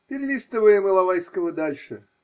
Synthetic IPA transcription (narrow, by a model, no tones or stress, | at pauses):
pʲɪɾʲlʲist̪əvəjəmɨlˠɐvajskəvəd̪alʲʂɨ